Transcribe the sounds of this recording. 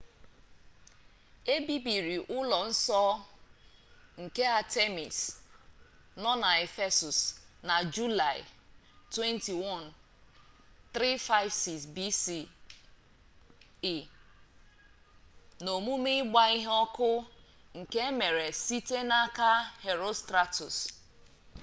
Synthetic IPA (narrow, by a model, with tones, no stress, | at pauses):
e˦bi˦bi˨ɾi˨ʔʊ˦lɔ˨n̩˦sɔ˦ | ŋ̩˨ke˦a˨te˦mḭ˨s | nɔ˦na˨e˨fe˦su˨sna˨d͡ʒu˦la˨ɪ̰˨ | twe˦nti˨wɔ˦˨n | t̪ɾi˦fa˦ɪ˦vsi˨ksbi˦si˦ | i˨ | no˨mu˦mi˦ɡ͡ba˦i˦ɦɔ˦kʊ˦ | ŋ̩˨ke˦me˨ɾe˨si˦te˦na˦ka˦he˨ɾo˦stɾa˦tu˨s